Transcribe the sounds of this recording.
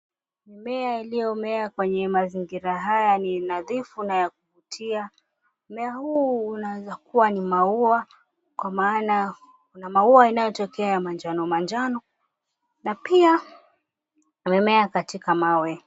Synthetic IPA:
mimɛailijɔmɛakwɛɲɛmaziŋɡiɾaɦajaninaðifunajak̚uvutʰia | mɛahuːnawɛzakuwanimaua | kwamaːna | kunamauainajɔtɔkɛajamand͡ʒanɔmand͡ʒanɔ | napia | mɛmɛakatikamawɛ

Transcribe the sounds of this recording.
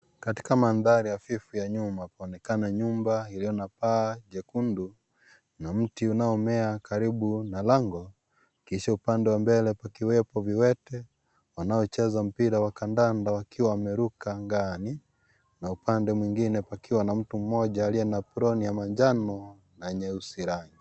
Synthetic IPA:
kati̥kamanðaɾijafifujaɲumapaɔnɛkanaɲumbailijɔnapaːʄɛkundu | nam̩tiunaɔmɛakaɾiɓunalaŋɡɔ | kiʃaupandɛwambɛlɛpakiwɛpɔviwɛtɛ | wanaɔt͡ʃɛzam̩piɾawakandandawakiwamɛɾukaŋɡani | naupandɛmwiŋɡinɛpakiwanam̩tum̩mɔʄaːliɛnapɾɔnijamaɲd͡ʒanɔ | naɛɲɛusiɾaɲi

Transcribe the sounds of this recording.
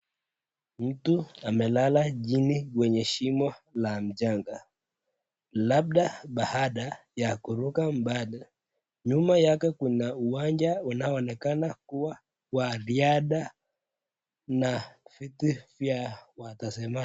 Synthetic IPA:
m̩tuamɛlalaʄinikwɛɲɛʃimɔlam̩d͡ʒaŋɡa | laɓ̚ɗaɓahaɗa | jakuɾukam̩bali | ɲumajakɛkunauwaɲd͡ʒaunaɔɔnɛkanakuwa | waɾiaɗa | nafitifjawatasɛma

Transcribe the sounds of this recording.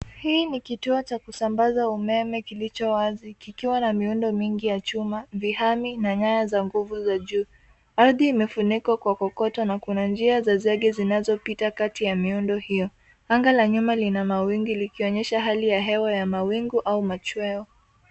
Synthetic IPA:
hiːnikituɔt͡ʃakusambazaumɛmɛkilit͡ʃɔwazikikiwanamiundɔmiŋɡijat͡ʃumavihaminaɲajazaŋɡuvuzaʄuː | aɾðiːmɛfunikwakwakɔkɔtɔnakunand͡ʒiazazɛɠɛzinazɔpitakatijamiundɔhijɔ | aŋɡalaɲumalinamawiŋɡulikiɔɲɛʃaɦalijaɦɛwajamawiŋɡuʔaumat͡ʃwɛɔ

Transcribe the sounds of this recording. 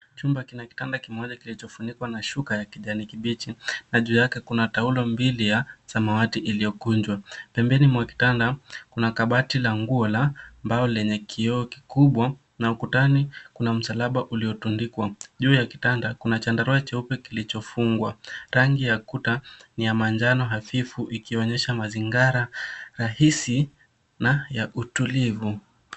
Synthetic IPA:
t͡ʃumbakinaki̥tandakimɔʄakilit͡ʃɔfunikwanaʃukajakiʄanikiɓit͡ʃinaʄuːjakɛkunataulɔmbilijasamawatiʔilijɔkuɲd͡ʒwapɛmbɛnimwaki̥tandakunakaɓatilaŋɡuɔlambaɔlɛɲɛkʰiɔɔki̥kuɓwa | naukutanikunam̩salaɓaʔuliɔtundikwaʄuːjaki̥tandakunat͡ʃandaɾɔɛt͡ʃɛupɛkilit͡ʃɔfuŋɡwaɾaŋɡijakutanijamand͡ʒanɔɦafifuʔikiɔɲɛʃamaziŋɡaɾaɾahisi | najaʔutulivu

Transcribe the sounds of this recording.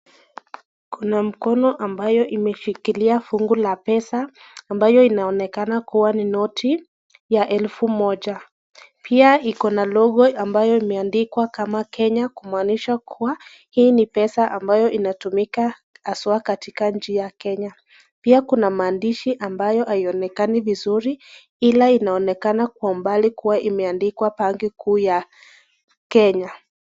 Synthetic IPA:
kunam̩kɔnɔʔambajɔʔimɛʃikiliafuŋɡulapɛsaː | mbajɔinaɔnɛkanakuwaninɔtʰi | jaʔɛlfumɔʄa | pʰiaikɔnalɔɠɔambajɔimɛandikwakamakɛɲakumaniʃakʰuwa | hiːnipɛsaʔambajɔʔinatumika | aswakatikaɲ̩d͡ʒijakɛɲa | piakunamaːndiʃiʔambajɔhaiɔnɛkanivizuɾi | ilainaɔnɛkanakwaumbalikuwaʔimɛandikwapaŋɡikʰuːja | kɛɲa

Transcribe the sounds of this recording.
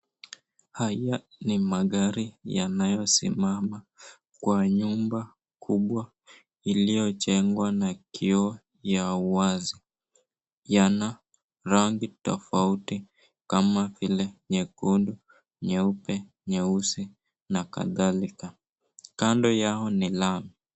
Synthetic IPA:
haja | nimaɠaɾija̰najɔsḭmama | kwaɲumba | kʰuɓwa | ilijɔt͡ʃɛŋɡwanakʰiɔ | jauwazi | jana | ɾaŋɡitɔ̰fauti | kamavilɛɲɛkundu | ɲɛupɛ | ɲɛusi | naka̰ðalika | kandɔjaɔnilami

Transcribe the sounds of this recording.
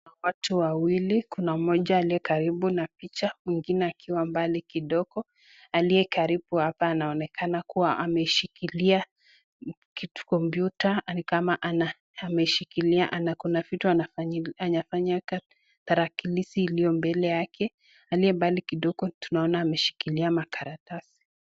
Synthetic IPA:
watuwawilikunamɔʄaːliɛkaɾiɓunapit͡ʃamwiŋɡinɛakʰiwambalikiɗɔɡ̥ɔ | aliɛkaɾibuhapaːnaɔnɛkʰanakuwaʔamɛiʃikilia | kitu̥kɔmbjutanikamaʔanaː | mɛiʃikiliaʔanakunavituanaaɲafaɲaka | taɾakilisiːlijɔmbɛlɛjakʰɛ | aliɛmbalikiɗɔɡ̥ɔtunaɔnaːmɛʃi̥kiliamakaɾatasi̥

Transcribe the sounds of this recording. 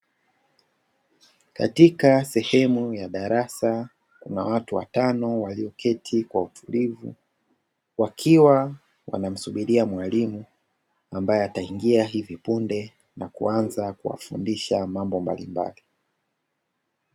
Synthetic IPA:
ka̰tikasɛhɛmujaɗaɾasa | kṵnawatuwa̰tanɔwaliɔkʰɛtʰikwautʰulivṵ | wakʰiwa | wʔa̰nam̩suɓiɾiamwalimu | ambajɛataiŋɡiaɦivipundɛ | nakuanzakuwa̰fṵndiʃamambɔmba̰limba̰li

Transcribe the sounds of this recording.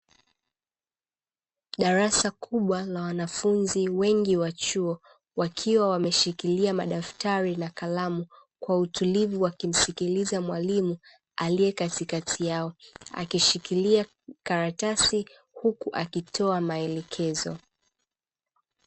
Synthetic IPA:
ɗaɾasakʰuɓwalawanafunziwɛŋɡiwat͡ʃuɔ | wakʰiwawamɛʃikiliamaɗaftaɾinakalamu | kwautulivuwakim̩sikilizamwalimu | aliɛkatikatʰijaɔa̰kiʃikilia | kaɾatasi | hukuʔakitʰɔamaɛlɛkʰɛzɔ̰

